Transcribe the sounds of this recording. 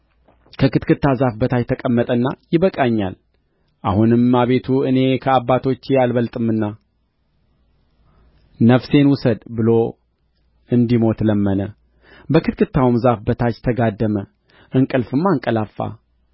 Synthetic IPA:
kʰəkɨt̪kʰɨt̪ːazafbət̪ʰat͡ʃt̪ʰəkʼəmːət̪ʼənːa̰jɪβəkʼaɲːa̰l | ʔahunɨmːaβe̞t̪ʰuɨne̞kʰəabːat̪ʰo̞t͡ʃːjalβəlt̪ʼɨmːɨnːa | nəfse̞nwʊsəd̪bɨlo̞ | ɨnd̪imo̞t̪ləmːənə | bəkɨt̪̚kʰɨt̪ʰːawmzafbət̪ʰat͡ʃt̪ʰəɡad̪ːəmə | ʔɨŋkʼɨlfɨmːaŋkʼəlafːa̰

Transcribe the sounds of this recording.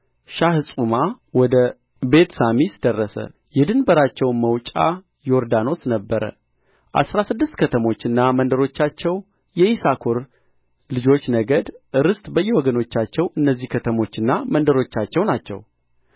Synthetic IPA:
ʃahɨsʼuma | wɔd̪ə | be̞t̪samisɨd̪ərːəsə̰ | jɛd̪ɨnbəɾat͡ʃːɛwməwt͡ʃʼa̰ | jo̞ɾd̪ano̞snəbːəɾə̰ | ʔa̰sɾasɨd̪ːɨst̪kʰət̪ʰəmo̞t͡ʃːɨnːamənd̪əɾo̞t͡ʃːat͡ʃːɛw | jɛʔisakʰoɾ | lɨd͡ʒo̞t͡ʃːnəɡəd̪ɨɾɨst̪ʼbəjːɛwɔɡəno̞t͡ʃːat͡ʃːɛwɨnːəzːihkʰət̪ʰəmo̞t͡ʃːɨnːamənd̪əɾo̞t͡ʃːat͡ʃːɛwnat͡ʃːɛ̰w

